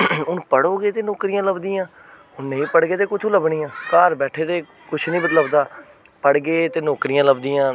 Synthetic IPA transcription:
ʊnpəɽoːɡeːt̪eːnoːkɾijãːləbd̪iːãː | ʊnnəĩːpəɽɡeːt̪eːkʊt͡ʃʰõːləbɳiːãːkaːɾbɛːʈʰeːt̪eː | kʊt͡ʃʰnĩːbət̪ləbd̪aː | pəɽɡeːt̪eːnoːkɾijãːləbd̪iːãː

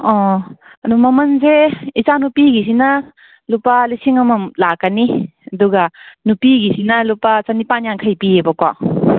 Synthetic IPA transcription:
ɔ | ɐdumɐmɐnzeit͡ʃanupiɡis̬inɐ | lupalisiŋɐmɐmlakːaniɐduɡanupiɡisinɐlupat͡ʃanipanjaŋkʰajpiebɐkwa

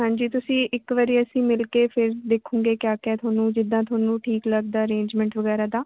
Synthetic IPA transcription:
ɦãːɲd͡ʒiːt̪ʊsĩːʔɪkʋəɾiːəsĩːmɪlkeːpʰɪɾd̪eːkʰũːŋɡeːkjaːkɛːt̪ʰʊaːnũːd͡ʒɪd̪ːãːt̪ʰʊaːnũːʈʰiːkləɡ̚d̪aːəɾẽːɲd͡ʒmɛ̃ːɳʈʋəɡɛːɾaːd̪aː

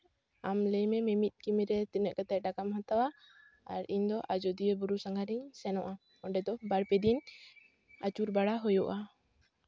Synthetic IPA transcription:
amləjmɛmɛmit̪̚ˀkimiɾɛt̪ɛnɛʔ̚kat̪ɛʔ̚ˀɖakamhat̪awa | aɾiɲd̪ɔʔad͡ʒɔd̪iɛbuɾusaŋɡʱaɾiɲsɛnɔʔa | ɔɖɛd̪ɔbaɽpɛd̪in | at͡ʃuɾbaɽaɦɔjɔʔa

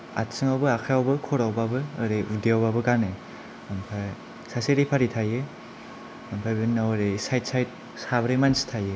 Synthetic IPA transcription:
a̰tsɯŋawbɯakʰajawbɯkʰɔɾawbabɯɯɾeidiawbabɯɡane | ampʰaj | saseɾipʰaɾitʰajɯ | ampʰajbɯnawɾesajt̚sajt̚ | sabɾemansi̥tʰajɯ

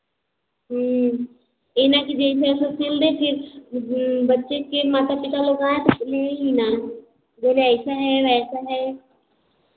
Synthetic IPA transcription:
ɦ | enakid͡ʒeɪsasokʰeld̪epʰɪɾ | bətːʃekemaːt̪apɪt̪aloːɡaːt̪leɦina | d͡ʒeleɐsaɦɛʋɛːsaɦɛ

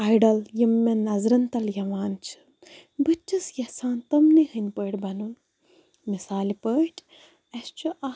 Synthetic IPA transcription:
ajɖɐljimːɐnːɐzɾɐnt̪ɐljɐʋaːnt͡ʃʰi̥ | bɨt͡ʃʲːɨsjɐhsaːnt̪ɐmnihɨnʲpəːʈʲbɐnun | misaːlipəːʈʰ | ɐst͡ʃʰuʔɐ

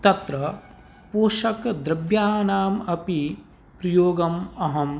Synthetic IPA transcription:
t̪ɐt̪ɾɐ | poːʃɐkd̪ɾɐbjaːnaːmɐpi | pɾɐjoːɡɐmɐɦɐm

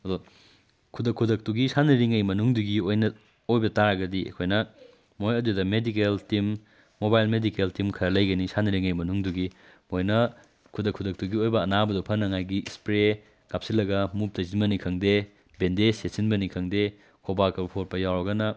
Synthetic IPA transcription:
ɐdu | kʰudɐkʰːudɐk̚tuɡisanɐɾiŋɐjmɐnuŋduɡiojnɐ | ojbɐtaɾɐɡɐdiḛkʰojnɐ | mojɐdudɐmedikeltimː | obajlmedikeltimkʰɐɾɐlɐjɡɐnisanɐɾiŋɐjmɐnuŋduɡi | mojnɐ | kʰudɐkʰudɐk̚tuɡiojbɐːnabɐdupʰɐnːɐŋajɡispɾe | ɡ̥ap̚silːɐɡɐmup̚tɐzinbɐnikʰɐŋde | bendesesinbɐnikʰɐŋde | kʰobakɐbɐpʰot̚pɐjawɾɐɡɐnɐ

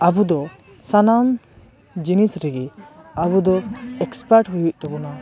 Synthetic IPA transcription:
abud̪ɔ | sanam | d͡ʒinisɾɛɡɛabud̪ɔɛkspaɾʈɦujuʔt̪ɔbɔna

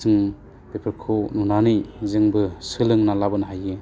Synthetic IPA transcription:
zɯŋ | pepʰɯɾkʰonunanɯjzɯŋbɯsɯlɯŋnalabɯnaɦajɯ

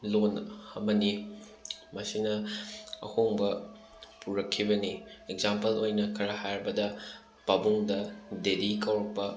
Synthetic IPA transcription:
lonɐmɐni | mɐsinɐɐ̰hoŋbɐ | puɾɐkʰːibɐniekzampɐlojnɐkʰɐɾɐhajɾbɐdɐ | pɐbuŋdɐdedikɐwɾɐk̚pɐ

